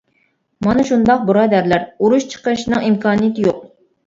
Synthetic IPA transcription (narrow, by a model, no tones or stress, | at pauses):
mɑnɨʃund̪ɑq̚buɾɑːd̪æɾlæɾuɾuʃt͡ʃʰə̥qəɾɨʃnɨŋimkʰɑːnijt̪joq̚